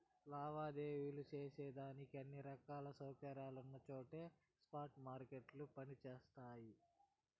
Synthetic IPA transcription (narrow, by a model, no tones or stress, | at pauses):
laːʋaːd̪eːjulut͡ʃeːseːd̪aːnikiɐnːiɾɐkaːlɐsɐwkɐɾaːlunːɐt͡ʃo̞ːʈe̞ː | spaːɾʈmaːɾkeʈlupɐnit͡ʃeːst̪aːji